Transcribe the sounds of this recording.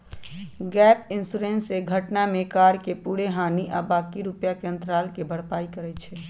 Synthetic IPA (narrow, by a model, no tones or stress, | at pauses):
ɡɛpinsuɾenseɡʱəʈnamekaɾkepuɽeɦaːniʔabaːkiɾupjakeə̃nt̪ɾalkebʱəɽpaːikəɾɛt͡ʃʰɛ